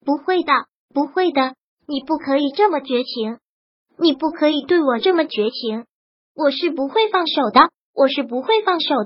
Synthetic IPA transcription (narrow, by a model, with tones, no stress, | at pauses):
pu˧˥xwe˥˩ɪd̪ə˩ | pu˧˥xwe˥˩ɪd̪ə˩ | ni˨˩pu˥˩kʰɤ˧˥i˨˩ʈ͡ʂɤ˥˩mə˩t͡ɕɥɛ˧˥t͡ɕʰi˧˥ŋ | ni˨˩pu˥˩kʰɤ˧˥i˨˩t̪we˥˩ɪwɔ˨˩ʈ͡ʂɤ˥˩mə˩t͡ɕɥɛ˧˥t͡ɕʰi˧˥ŋ | wɔ˨˩ʂɻ̩˥˩pu˧˥xwe˥˧ɪfɑ˥˩ŋʂo˨˩ʊd̪ə˦ | wʔɔ˨˩ʂɻ̩˥˩p̬u˧˥xwe˥˧ɪfɑ˥˩ŋʂo˨˩ʊ